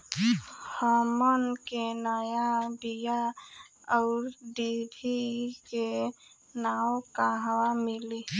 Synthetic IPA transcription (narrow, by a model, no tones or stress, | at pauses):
həmənkenəjabija | əʊɾɖibʱike | nawkaɦwamili